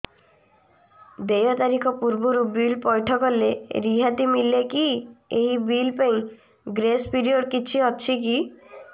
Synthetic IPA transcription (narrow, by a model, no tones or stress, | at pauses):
d̪ejɔt̪aɾikʰɔpuɾbuɾubilpɔjʈʰɔkɔleɾiɦat̪imilekieɦibilpaĩ | ɡɾespʰiɾioɖkit͡ʃʰiɦɔt͡ʃʰik̬i